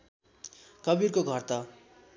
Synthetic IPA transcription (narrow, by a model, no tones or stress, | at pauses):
kʌbirkoɡʱʌrt̪ʌ